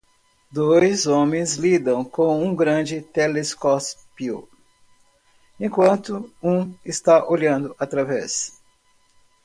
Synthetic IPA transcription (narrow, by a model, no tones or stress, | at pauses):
d̪ojzõmẽj̃zlid̪ɐ̃w̃kõw̃ũɡɾɐ̃d͡ʒɪt̪eleskɔspio̰ | ẽkwɐ̃nt̪ʊũɪst̪aʔoʎɐ̃nd̪ʊʔat̪ɾavɛs